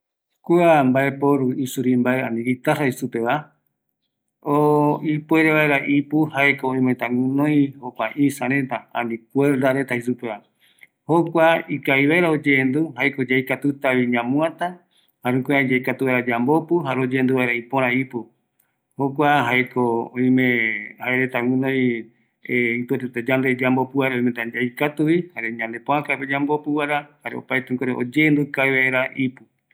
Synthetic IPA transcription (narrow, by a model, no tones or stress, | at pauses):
kuambaepoɾuisuɾimbaeãnd̪ĩɡit̪araisupeβa | oipweɾeβaeɾaʔipuhaekoõĩmõẽt̪ãŋũnõj̃hokʷaʔisaɾet̪aã̰nik̚ʷeɾd̪aɾe̞t̪ahisupea | hokʷaikaiβaeɾaod͡ʒend̪uɦajkod͡ʒajkat̪ut̪aβiɲãmũat̪a | haɾũŋkoãd͡ʒajkat̪uβaeɾad͡ʒambopuɦaɾeod͡ʒeend̪uβaeɾaipõɾ̃ãipu | hok̬ʷaɦajkoõĩmẽhaeɾet̪awĩnõj | eit̪uet̪et̪ad͡ʒand̪e̞d͡ʒambo̞pɨβaɾaoiment̪ad͡ʒaikat̪uβihaɾe̞ɲãnd̪e̞põãkaped͡ʒambopɨβaɾahaɾeo̰pajt̪eŋkoɾeʔo̰d͡ʒend̪ukajβaeɾaʔipu